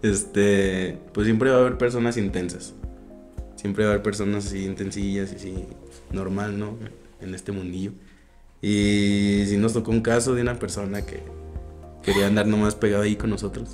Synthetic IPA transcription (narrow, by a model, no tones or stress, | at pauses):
e̞st̪epwesːjempɾeβaβe̞ɾpe̞ɾs̬o̞nasint̪e̞nsas | sje̞mpɾe̞βaβe̞ɾpe̞ɾs̬o̞nasasiːnt̪e̞nsiʝasasi | no̞ɾmalnoe | ene̞st̪emũnd̪iʝo̞ | i | s̬ino̞st̪o̞kouŋkaso̞ðeunape̞ɾso̞nakḛ | ke̞ɾiand̪aɾno̞maspe̞ɣ̞aðoaiko̞nːo̞so̞t̪ɾos